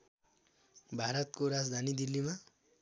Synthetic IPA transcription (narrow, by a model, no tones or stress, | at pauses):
bʱaɾʌt̪̚koɾad͡zd̪ʱanid̪ilːima